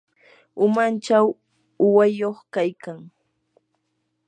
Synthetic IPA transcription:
ʊmant͡ʃaw | ʊwajoχkajkaŋ

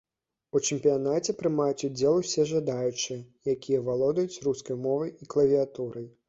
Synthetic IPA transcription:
ut͡ʂɨmpʲijanat͡sʲɛpɾɨmajut͡sʲud͡zʲɛlˠusʲɛʐad̪ajut͡ʂɨjɐjakʲijɐvalˠɔd̪ɐjut͡sʲruskɐjmɔvɐjiklˠɐvʲiat̪uɾɐj

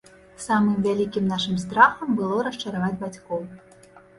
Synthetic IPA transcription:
samɨmvʲalʲikʲimnaʂɨmst̪ɾaxɐmbɨlˠɔɾɐʂt͡ʂɐɾavad͡zʲbat͡sʲkɔw

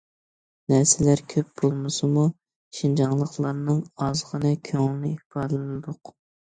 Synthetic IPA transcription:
næɾsɪlæɾkʲʰøp̚b̥olˠmɨsɨmu | ʃind͡ʒɑŋlˠəχlˠɑɾnɨŋɑzʁənɨkʲʰøŋŋnɪihbɑɾlɨnɨd̪ʊq

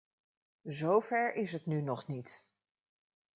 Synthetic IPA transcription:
zowvɛɹɪsɦətnynɔχnit

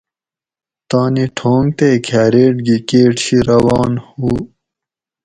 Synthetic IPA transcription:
t̪aːniʈʰoːŋɡt̪ekʰaːɾeːʈɡikeːʈɕiɾɐwɑːnhuː

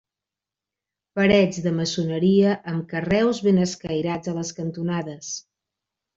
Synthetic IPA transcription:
pəɾɛd͡zðəməsunəɾiəʔəmkərɛwzβenəskəjɾad͡zələskənt̪unaðəs

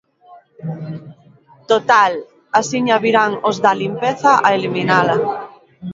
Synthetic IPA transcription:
t̪ot̪al | asiɲaβiɾaŋozðalimpeθaʔaeliminala

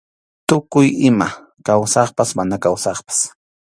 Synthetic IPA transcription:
t̪ʊkʊjɪma | kawsɑχpasmanakawsɑχpḁs

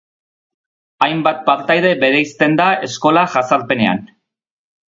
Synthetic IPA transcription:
ajmbat̪̚paɾt̪ajðe̞be̞ɾe̞jst̪e̞nd̪ae̞sko̞laʝasaɾpe̞ne̞a̰n

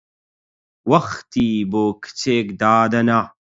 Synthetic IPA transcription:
wɐxt̪iːboːkʰɨ̥t͡seːkd̪aːd̪ɐna

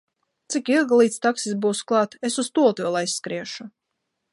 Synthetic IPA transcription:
t̪sikilˠɡlˠiːt̪st̪aksisbuːsklˠɑːt̪esust̪uɔlˠt̪uvʲɛlˠajsːkɾiɛʃu

